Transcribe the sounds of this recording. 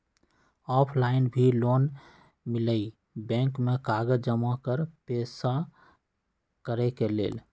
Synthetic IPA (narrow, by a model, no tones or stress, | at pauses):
ɔːpʰlaɪnbʱiloːn | mɪləi | bɛ̃ːŋkmekaːɡəd͡ʒd͡ʒəmakəɾpeːsa | kəɾɛkelḛːl